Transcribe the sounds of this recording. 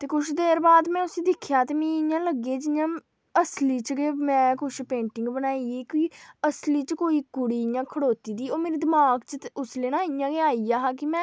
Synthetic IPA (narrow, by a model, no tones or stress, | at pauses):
t̪eːkʊʃʰd̪eːɾbaːd̪mɛ̃ːʊsĩːd̪ɪkʰjaːt̪eːmẽːɪjãːləɡeːd͡ʒɪjãː | əsliːt͡ʃɡeːmɛ̃ːkʊʃpẽːɳʈɪŋɡbənaːieːkiːəsliːt͡ʃkoːiːkʊɽiːjãːkʰəɽoːt̪iːd̪iːoːmeːɾiːd̪ɪmaːɡt͡ʃəʊsleːnãːɪjãːɡeːaːiːjaːɦaːk̬ɪmɛ̃ː